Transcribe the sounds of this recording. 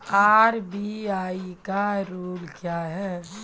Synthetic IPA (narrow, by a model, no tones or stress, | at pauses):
aɾbiaːikaɾuːɽkjaɦɛ